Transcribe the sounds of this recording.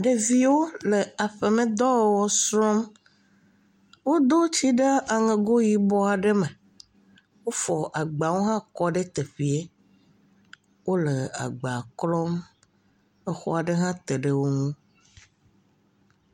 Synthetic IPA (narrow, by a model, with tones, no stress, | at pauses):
ɖe˨vi˦wo˦le˨a˨ɸe˨mẽ˨d̪ɔ˦wwɔ˦sɾɔ̃˦m | wo˦d̪o˦t͡ɕi˦ɖe˦a˨ŋẽ˨ɡo˦ji˨bɔ˦a˨ɖe˦mẽ˨ | wo˦fɔ˨ʔa˨ɡ͡ba˨wo˦ɦã˦kɔ˦ɖe˦t̪e˨ɸi˨e˦ | wo˦le˨a̰˨ɡ͡ba˨klɔ˦m | ɛ˦xɔ̰˦a˨ɖe˦ɦã˦t̪e˨ɖe˨wo˦ŋũ˦